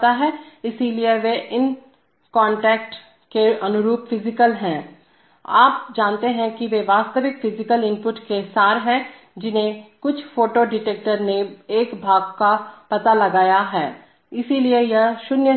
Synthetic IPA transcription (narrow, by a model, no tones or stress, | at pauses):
t̪aɦɛːɪsilieʋeʔɪn | kɔ̃ːɳʈɛːk̚ʈ | keʔɐnʊɾuːpfʰɪzɪkəlɦɛ̃ː | aːpd͡ʒãːnt̪eɦɛ̃kiʋeʋaːst̪əʋɪkfʰɪzɪkəlɪ̃mpʊʈkesaːɾɦɛ̃ | d͡ʒɪnẽkʊt͡ʃʰfoːʈoɖɪʈeːk̚ʈəɾneeːkbʱaːɡkapɐt̪alɐɡaːjaɦɛː | ɪsiliejɐʃʊnjə